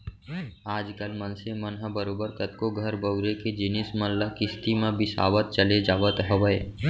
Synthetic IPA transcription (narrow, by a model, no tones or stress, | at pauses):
aːd͡ʒkəlmənsemənɦəbəɾoːbəɾkət̪koɡʱəɾbəʊɾeked͡ʒɪnɪsməlləkɪst̪imẽbʱɪsa̰ːʋət̪̚t͡ʃəled͡ʒaːʋət̪ɦəʋəe